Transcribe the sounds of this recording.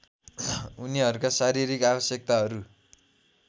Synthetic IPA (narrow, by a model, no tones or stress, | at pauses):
uniɦʌɾukasaɾiɾikabʌsjek̚t̪aɦʌɾu